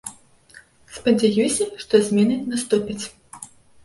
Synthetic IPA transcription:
spɐd͡zʲajusʲɐʂt̪ɔzʲmʲɛnɨnast̪upʲit͡sʲ

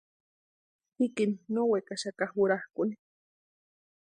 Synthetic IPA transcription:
hikininowekaʃakahuɾahkuni̥

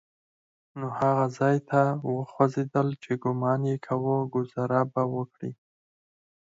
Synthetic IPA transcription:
nohaɣazɑjt̪ʰawəxwazed̪əlt͡ʃeɡʊmɑnjekʰawəɡʊzaɾabawəkɽḭ

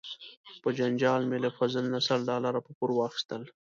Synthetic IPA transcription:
pəd͡ʒand͡ʒɑːlmelafazəlnasaɽɖɑlaɾapəkuɾwɑːxi̥st̪əl

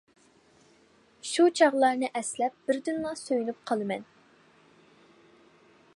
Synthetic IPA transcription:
ʃut͡ʃʰɑʁlˠɑɾnɨʔɛslɛp̚b̥ɪɾd̪ynlˠɑsøjynyp̚qʰɑlˠɨmɛn

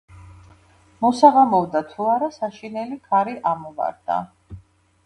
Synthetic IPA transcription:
mɔsaʁamɔvd̪at̪ʰuaɾasaʃinɛlikʰaɾiʔamɔva̰ɾd̪̥a̰

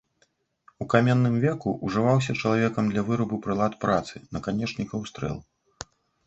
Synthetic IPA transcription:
ukamʲɛnːɨmvʲɛkuʔuʐɨvaws̬ʲɐt͡ʂɐlˠavʲɛkɐmd̪lʲɐvɨɾɐbɨpɾɨlˠat̪pɾat̪sɨnɐkanʲɛt͡ʂnʲikɐwst̪ɾɛ̰lˠ

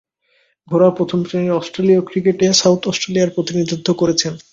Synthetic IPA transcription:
ɡʱoɾapɾot̪ʰompɾeniɾɔsʈɾeliokɾikeʈesawt̪ʰɔsʈɾelijaɾpɾot̪inid̪ʱid̪ʱːokoɾet͡ɕʰen

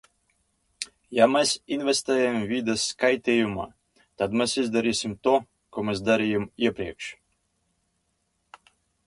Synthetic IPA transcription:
jamɛsinvʲɛst̪ɛːjamvʲid̪ɛsːkajt̪ʲɛːjuma̰ː | t̪ad̪mɛsizd̪aɾiːsʲimt̪u | kɔmɛs̬d̪aɾijamiɛpɾiɛkʃ

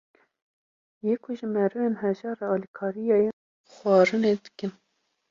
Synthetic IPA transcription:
jeːkʰuʒɪmɛɾɨveːnɦɛʒɑːɾɑɑːlikʰɑːɾijɑje | xɑːɾɨned̪əkən

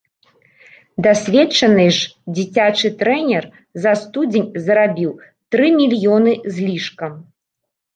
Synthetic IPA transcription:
d̪asʲvʲɛt͡ʂɐnɨʐd͡zʲit͡sʲat͡ʂɨt̪ɾɛnʲɛr | zɐst̪ud͡zʲenʲzɾabʲiw | t̪ɾɨmʲilʲjɔnɨzʲlʲiʂkɐm

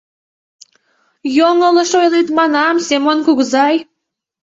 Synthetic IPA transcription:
joŋələ̆ʃojlit̪mɑnɑmsemonkuɣzɑj

